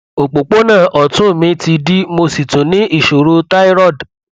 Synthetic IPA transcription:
o˨k͡po˨k͡po˦nãː˦˨ʔɔ˨tũ˦˨mĩ˧ti˧di˦mo˧si˨tũ˨nĩ˦ʔi˦˨ʃo˨ɾo˧˦ta˦i˦ɾɔ˦˨d

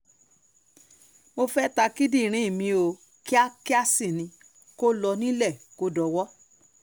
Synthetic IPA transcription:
mo˧fɛ˦ta˧ki˦di˦˨ɾ̃ĩ˨˦˨mĩ˧o˧ | ki˦a˦ki˦a˦si˦˨nĩ˧ | ko˦lɔ˧nĩ˦lɛ˦˨ko˦dɔ˨˧wɔ˦

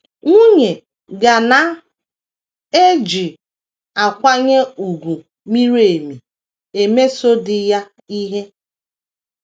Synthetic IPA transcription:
ŋʷu˦ɲe˨ | ɡa˨na˨ | e˦d͡ʒi˨ | a˨kʷa˦ɲe˦u˨ɡʷu˨ | mi˦ɾe˨mi˨ | e˨me˦so˦dɪ˨ja˦ | i˦ɦe˦

